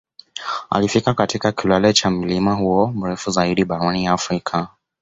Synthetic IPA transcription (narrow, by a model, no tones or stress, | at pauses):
a̰lifikakatikakilwalɛt͡ʃam̩limahuɔm̩ɾɛfuzaiɗiɓaɾɔniafɾikʰa